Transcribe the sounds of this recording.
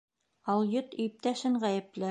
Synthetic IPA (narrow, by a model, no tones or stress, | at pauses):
ɑlˠjot̪ɵ̆jp̚t̪æʃɘɴʁæjɘ̆plɘ